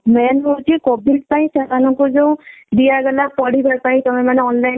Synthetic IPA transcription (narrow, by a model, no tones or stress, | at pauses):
mɛnɦotikɔbil̚paĩsatanɔkozeʊ̃dijabɛlapɔɽibaɹpaĩtɔmɛmanɛɔnlajn